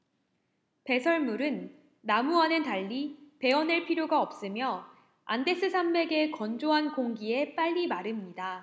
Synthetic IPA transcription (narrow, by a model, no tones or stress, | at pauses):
pe̞sʰʌɭmuɾɯnː | amuanɯntaʎːipe̞wʌneɭpʰiɾjoɡaʌp̚s͈ɯmjʌ | a̰nde̞s͈ʰɯsʰambe̞ɡe̞kʌnd͡ʑoɦankoŋɡie̞p͈aʎːimaɾɯmɲida